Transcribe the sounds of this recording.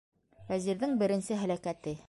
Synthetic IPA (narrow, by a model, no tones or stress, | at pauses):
fæziɾðɘŋbɘ̆ɾɘ̆nsɘɦælækæt̪ɘ